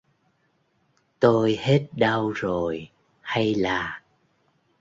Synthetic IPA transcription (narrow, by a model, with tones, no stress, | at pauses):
t̪o˧jhe˦˥t̚ɗə˧wzo˨˩j | ha˧jlaː˨˩